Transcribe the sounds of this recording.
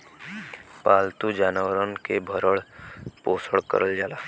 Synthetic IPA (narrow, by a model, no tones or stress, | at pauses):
paːlt̪ud͡ʒaːnəʋəɾənkebʱəɾəɽpoːsəɽkə̰ɾəld͡ʒaːlaː